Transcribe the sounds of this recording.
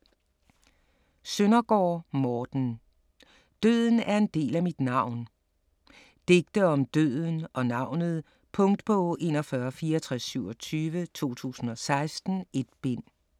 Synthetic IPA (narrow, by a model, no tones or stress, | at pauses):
sønɐɡ̥ɒ̰ːmɒːd̥n̩ | d̥øð̰ˠn̩æɐe̝nd̥e̝̰ːlæmid̥nɑ̈ʊ̰n | d̥e̝ɡ̥d̥əɒ̽md̥øð̰ˠn̩ɒ̽nɑ̈ʊ̰nð̞̩ˠ | pʰɔ̽ŋd̥pʰɒ̽e̝̰ːnɒ̽fɶːɐfiːɐt͡sʰʁasːyʊɒt͡sʰyːʋət͡sʰo̝̰ːt͡sʰṵːsn̩ɒ̽sɑ̈ɪsd̥n̩e̝d̥̚b̥en̰